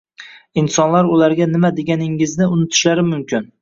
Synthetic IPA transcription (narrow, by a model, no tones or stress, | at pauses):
insɒnlaɾʊlaɾɡʲanɪmad̪eɡʲanɪŋɪznɪʊnɪt̪ʰɪ̥ʃlaɾɪmʊmkʲɪn